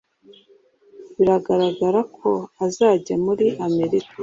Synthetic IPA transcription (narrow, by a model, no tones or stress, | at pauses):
βiɾaɡaɾaɡaɾakʰo̞azaːɟamuɾiʔame̞ɾika